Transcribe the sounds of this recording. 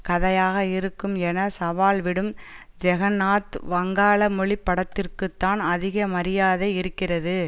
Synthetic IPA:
kɐðɐjaːɣɐɪɾɯkːɯmɛnɐsɐʋaːlʋɪɽɯm | d͡ʒɛɣɐnaːt̪ʋɐŋɡaːɭɐmʊɭɪpːɐɽɐt̪ːɪrkɯt̪ːaːnɐðɪɣɐmɐɾɪjaːðɐɪɪɾɯkːɪrɐðɯ

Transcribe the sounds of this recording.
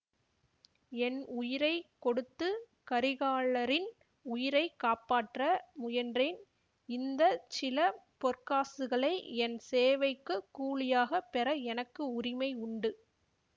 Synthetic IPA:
ɛnʊjɪɾɐɪkːɔɽɯt̪ːɯ | kɐɾɪɣaːɭɐɾɪn | ʊjɪɾɐɪkːaːpaːʈrɐmʊjɐndren | ɪnd̪ɐt͡ʃɪlɐpɔrkaːsɯɣɐɭɐɪɛnseːʋɐɪkːɯkːuːɭɪjaːɣɐpɛrɐɛnɐkːɯʊrɪmɐɪʊɳɖɯ

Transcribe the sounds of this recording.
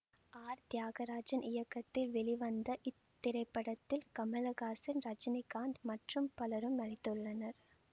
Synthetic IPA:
aːɾt̪jaːɣɐɾaːd͡ʒɐnʔɪjɐkːɐt̪ːɪlʋɛɭɪʋɐnd̪ɐʔɪt̪ːɪɾɐɪpːɐɽɐt̪ːɪlkɐmɐlɐɣaːsɪnɾɐd͡ʒɪnɪkːaːɳd̪mɐʈrɯmpɐlɐɾɯmnɐnɪt̪ːɯɭːɐnɐɾ

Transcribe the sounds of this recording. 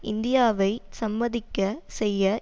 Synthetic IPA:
ʔɪnd̪ɪjaːʋɐɪsɐmbɐðɪkːɐsɛjːɐ

